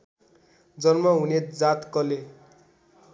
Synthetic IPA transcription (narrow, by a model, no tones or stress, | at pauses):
d͡zʌnmʌɦuned͡zat̪kʌle